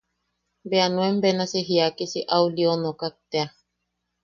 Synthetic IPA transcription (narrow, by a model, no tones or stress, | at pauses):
bɛanwɛmbɛnaseɦiakisiʔawliɔnɔkak̚t̪ea